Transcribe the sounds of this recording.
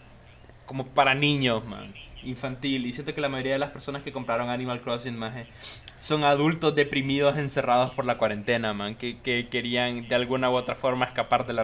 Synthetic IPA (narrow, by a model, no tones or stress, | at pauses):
ko̞mo̞paɾanĩɲo̞smã̰ŋiɱfant̪ilisje̞nt̪o̞kelamaʝo̞ɾiaðelaspe̞ɾso̞naske̞ko̞mpɾaɾo̞ŋanĩmalkɾosinmase | so̞ŋaðult̪o̞zðe̞pɾimiðo̞se̞nse̞rað̞o̞spo̞ɾlakwaɾe̞nt̪e̞namãŋkekeke̞ɾiaŋd̪e̞alɣunaoo̞t̪ɾafo̞ɾmaeskapaɾðela